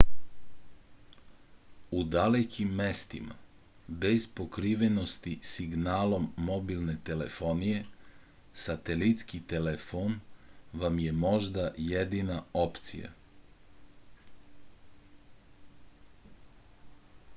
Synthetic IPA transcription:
ud̪alekʰimːe̞st̪ḭma̰ | bezpo̞kɾiʋe̞no̞st̪isiɡnaːlo̞mːo̞bilˠne̞t̪e̞le̞̰fo̞nije̞ | sat̪elit̪skit̪elefonʋamje̞mo̞ʒd̪ajed̪inao̞pt̪sḭja̰

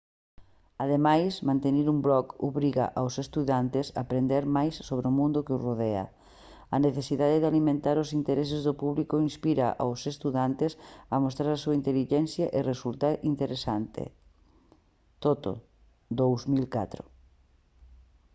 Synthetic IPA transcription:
aðemajsmãnt̪eniɾumbɾɔkoβɾiɣa̰ʔawsest̪uðant̪ɪsa̰pɾend̪eɾmajsːoβɾɪʊmũnd̪ʊkɪʊzroðeɐ̰ | ɐneθesiðaðeðɪalimẽnt̪aɾʊsint̪eɾes̬ezðʊpuβlikoinspiɾaʔa̰wsest̪uðant̪ɪsɐmost̪ɾaɾasuaint̪eliʒɛnθjaʔɪresult̪aɾʔint̪eɾesant̪ḛ | t̪ot̪o̰ | d̪owzmilka̰t̪ɾʊ

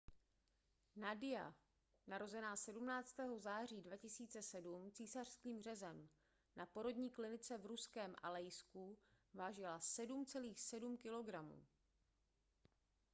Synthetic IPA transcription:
nadɪja̰ | naɾo̞zɛnaːsɛdumnaːt͡st̪ɛːɦo̞zaːr̝iːdvacɪsiːt͡sɛsɛdumt͡siːsar̝̥skiːmr̝ɛzɛm | napo̞ɾo̞dɲiːklɪnɪt͡sɛvɾuskɛːmʔa̰lɛjskuvaːʒɪlasɛdumt͡sɛliːxsɛdumkɪlo̞ɡɾamṵː

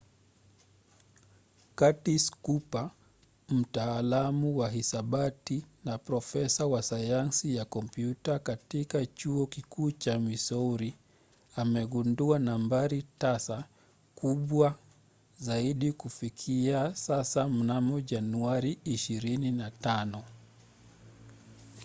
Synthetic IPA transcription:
katiskupa | m̩taːlamuwaɦisaɓatinapɾɔfɛsawasajansijakɔmpjutakatikat͡ʃuɔkikuːt͡ʃamisɔuɾi | amɛɠunduanambaɾitasa | kuɓwa | zaiɗikufikʰiasasam̩namɔʄanuaɾiːʃiɾininatanɔ

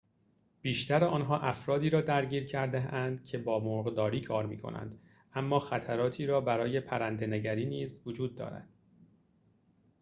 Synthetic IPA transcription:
b̥iːʃt̪ʰæɾeɒːnɦɒːʔæfɾɒːd̪iːɾɒːd̪æɾɟiːɾcʰæɾd̪eænd̪cʰe̞bɒːmoɣd̪ɒːɾiːkʰɒːɾmḭːkʰo̞̰næ̰nd̪̥ | ʔæmːɒːxæt̪ʰæɾɒːt̪ʰiːɾɒːbæɾɒːje̞pʰæɾænd̪e̞neɟæɾiːniːzvod͡ʒuːd̪ːɒ̰ːɾæ̰d̪̥

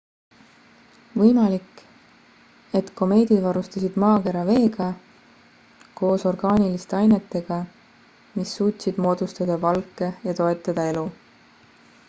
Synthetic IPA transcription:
vɤjmɑlik | e̞t̪ko̞me̞ːd̪̥ʲid̪vɑɾust̪ɑsid̪̥mɑːke̞ɾɑve̞ːɡ̥ɑ | ko̞ːso̞rɡ̥ɑːnilist̪e̞ɑjne̞t̪ːe̞ɡ̥ɑ | misːuːt̪ʲsid̪̥mo̞ːd̪̥ust̪ɑd̪̥ɑvɑlkːˑe̞jɑt̪o̞e̞t̪ːˑɑd̪̥ɑe̞lu

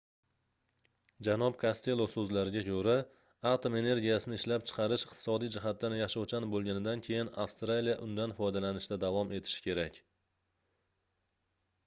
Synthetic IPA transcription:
d͡ʒanɒpkʰast̪e̞lˠːosɵzlaɾɪɡʲakʰɵɾa | at̪ome̞ne̞ɾɡʲijasɪnɪɪʃlapt͡ʃʰɨ̥qʰɑɾɪʃɪq̚t̪ʰɪ̥sɒd̪ijd͡ʒɪɦat̪̚ːanjaʃawt͡ʃanbolˠɡʲanɪd̪ankʲʰe̞jɪna̰fst̪ɾalijaʔʊnd̪anfɒjd̪alanɪʃd̪ad̪avɒme̞t̪ʰɪ̥ʃɪ̥kʲʰe̞ɾakʲ

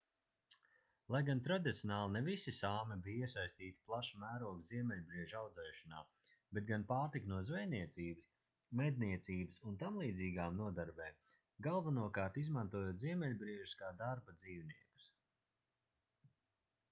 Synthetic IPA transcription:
lˠajɡant̪ɾad̪it̪siɔnaːlˠnɛvisisaːmɛbijiɛsajsʲt̪iːt̪i̥plˠaʃamæːɾuɔɡziɛmʲɛlʲbɾiɛʒawd̪zɛːʃana̰ː | bet̪̚ɡanpaːɾt̪iknuɔzvɛjniɛt̪siːbɨs | mɛd̪̚niɛt̪siːbsunt̪amlˠiːd̪ziːɡaːmnuɔd̪aɾbɛː | ɡalˠvanuɔkaːɾt̪izmant̪uɔjuoːt̪ziɛmʲɛlʲbɾiɛʒuskaːd̪aɾbad̪ziːwniɛku̥s

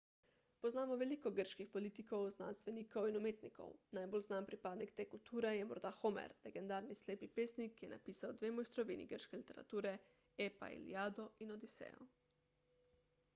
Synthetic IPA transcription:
pɔznaːmɔʋɛliːkɔɡəɾʃkixpɔlit̪ikɔwzna̰ːnst̪ʋɛniːkowinumeːt̪nikʰɔ̰wnajbolznaːmpɾipaːd̪nikt̪eːkult̪uːɾɛjɛmɔ̰ɾd̪axomɛ̰ɾlɛɡɛnd̪aːɾnisleːpipeːsnikːjɛna̰piːsawd̪ʋeːmɔjst̪ɾɔʋiːnḭɡəɾʃkɛlit̪ɛɾa̰t̪uːɾɛ | eːpa̰ḭlḭaːd̪ɔinɔd̪isɛ̰ːjɔ̰

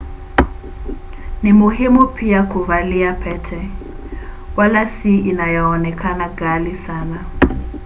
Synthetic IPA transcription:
nɪmʊɦɪmupʰiakuvaliapʰɛtʰɛ | walasiinajɔɔnɛkʰanaɡalisaːna

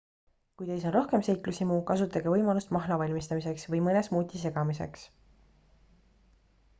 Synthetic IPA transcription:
kujt̪ejsɑnɾo̞hke̞mse̞jklusimuːkɑsut̪ːˑɑɡevɤjmɑlust̪mɑɦlɑvɑlʲmist̪ɑmise̞ksvɤjmɤnesmuːt̪ʲːise̞ɡ̥ɑmise̞̰ks

